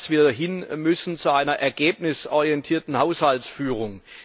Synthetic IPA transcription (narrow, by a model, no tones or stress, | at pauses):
sv̥iːdɦɪnmʏsn̩t͡suaɪnɐʔɛɐɡeːp̚nɪsʔɔʁiɛntʰiːɐtn̩haʊshaltsfyːʁʊŋ